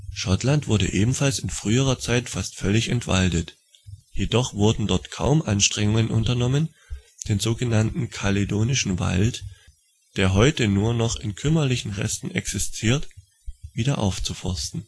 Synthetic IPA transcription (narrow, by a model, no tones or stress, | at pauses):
ʃɔtlantv̥ʊɐɾə̰ʔeːbm̩falsɪnfʁ̥yːəʁ̞ɐt͡saɪtfastfœlɪçɛntv̥a̰ltət | jedɔχv̥ʊɐdn̩dɔɐtkʰa̰ʊmʔanʃtʁ̥ɛŋʊŋənʔʊ̰ntɐnɔmən | d̥eːnzoːɡənantn̩kʰaledoːnɪʃn̩va̰lt | d̥eːɐɦɔʏtənuːɐnɔχɪnkʰʏmɐlɪçn̩ʁɛ̰stn̩ʔɛksɪstʰiːɐt | viːdɐʔa̰ʊft͡sufɔɐstn̩